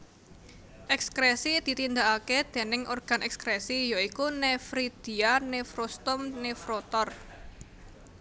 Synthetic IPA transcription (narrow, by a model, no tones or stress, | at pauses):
ʔɛkskɾesid̪̥i̤t̪ind̪aaked̪̥e̤nɪŋʔorɡ̥a̤nɛkskɾesijoikunefɾid̪̥i̤anefɾost̪ʊmnefɾot̪ɔr